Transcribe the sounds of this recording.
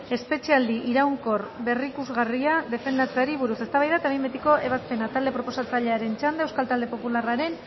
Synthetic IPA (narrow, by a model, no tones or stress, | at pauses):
e̞spe̞t͡ʃiald̪iʔiɾawŋko̞rbe̞rikuzɣariaðe̞fe̞nd̪at͡seaɾiβuɾuse̞st̪aβajðat̪aβejmbet̪iko̞ʔe̞βaspe̞nat̪ald̪e̞pɾo̞po̞sat͡saʎe̞aɾe̞nt͡ʃand̪ewskalt̪ald̪e̞po̞pularaɾe̞n